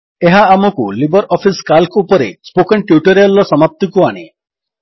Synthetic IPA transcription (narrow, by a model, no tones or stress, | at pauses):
eɦaːmɔkulibɔɾɔpʰiskalkupɔɾḛspokɔɳʈjuʈɔɾialːɔsɔmap̚t̪ikuaɽ̃e